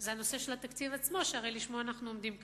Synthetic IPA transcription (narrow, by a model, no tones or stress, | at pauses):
zeano̞se̞ʃelat̪akt͡sivat͡smo̞ʃeaʁejliʃmoaːnaχnuomd̪imk